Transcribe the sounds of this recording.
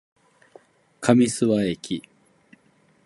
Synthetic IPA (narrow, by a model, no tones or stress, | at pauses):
kʰamʲisɨβaekʲʰi